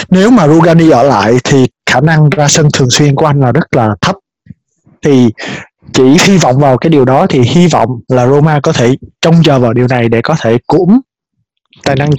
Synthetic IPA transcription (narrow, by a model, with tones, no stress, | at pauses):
ne˨˦wmaː˨˩zu˧ɣaː˧ni˧ʔəː˧˩la̰ː˧˨jt̪ʰi˨˩xaː˧˩na˧ŋzaː˧sə˧nt̪ʰɨ˨˩əŋswi˧ənku˧˩˦ʔjŋ̟laː˨˩zə˦˥t̚laː˨˩t̪ʰə˦˥p̚ | t̪ʰi˨˩ | t͡ɕi˧˩hi˧vɔ̰˧˨wŋ͡mvaː˨˩wkaː˨˦jɗi˨˩əwɗɔ˨˦t̪ʰi˨˩hi˧vɔ̰˧˨wŋ͡mlaː˨˩zo˧maː˧kɔ˨˦t̪ʰe˧˩t͡ɕɔ˧wŋ͡mt͡ɕəː˨˩vaː˨˩wɗi˨˩əwna˨˩jɗḛ˧˩kɔ˨˦t̪ʰe˧˩kʊ̰˧˥ŋ͡m | t̪aː˨˩jna˧ŋ